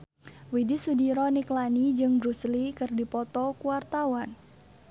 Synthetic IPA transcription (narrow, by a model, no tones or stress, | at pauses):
widisudiɾɔniklanid͡ʒɨŋbɾuslikɨrdipɔt̪ɔkuwart̪awan